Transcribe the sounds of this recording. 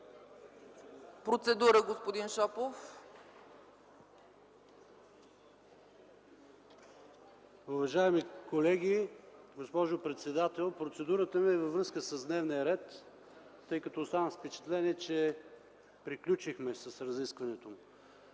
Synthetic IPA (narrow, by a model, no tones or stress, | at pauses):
pɾot̪sɛd̪uɾəɡospod̪inʃɔpof | uvɐʒaɛmikolɛɡʲiɡospɔʒopɾɛt̪sɛd̪at̪ɛlˠpɾot̪sɛd̪uɾət̪əmiɛvɐvɾɤskəsəzd̪nɛvnijəɾɛt̪ː | ɤjkɐt̪oːst̪anəfspɛt͡ʃɛ̥t̪lɛniɛt͡ʃɛ | pɾiklʲut͡ʃixmɛsɐsɾɐziskvɐnɛt̪om